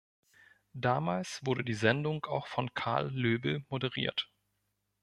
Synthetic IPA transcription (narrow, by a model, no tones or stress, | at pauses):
d̥aːmaːlsv̥ʊɐɾədiːzɛndʊŋkaʊxfɔnkʰa̰ɐlːøːbl̩modəʁ̞ḭːɐt